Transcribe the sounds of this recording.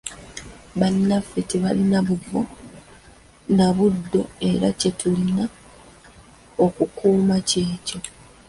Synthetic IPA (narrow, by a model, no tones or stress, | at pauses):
βanːafːeteβalinaβuvo̰ | naβudːo̞̰e̞ɾace̞tulina | okukuːmace̞ːco̞